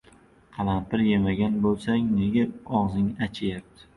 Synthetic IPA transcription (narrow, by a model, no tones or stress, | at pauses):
qʰɑlˠanp̪ɪɾje̞maɡʲanbolˠsaŋne̞ɡʲaɒʁzɪŋat͡ʃʰajap̚t̪ʰɪ̥